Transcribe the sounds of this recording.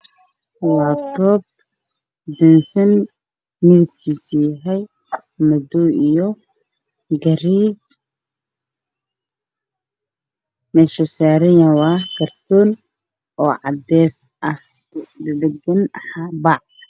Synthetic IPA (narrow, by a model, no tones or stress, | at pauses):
waːt̪ɔːb̚ | d̪ɛnsɐn | mɪðɐb̚kʰiːsijɦɛj | mɐd̪ɔijɔ | ɡɐɾiːt͡ʃ | mɛʃɐsaːɾɪjɐwɑːkʰɐrt̪ʰɔːn | ʔɔːʕɑd̪ɛːsʔɐh | d̪ɐd̪ɐɡɐnħɑbɑʕ